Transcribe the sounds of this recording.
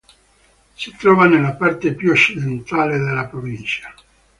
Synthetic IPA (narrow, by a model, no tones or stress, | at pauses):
sit̪ɾɔːvanelːapart̪epjuot͡ʃːid̪ent̪aːled̪elːapɾovint͡ʃḁ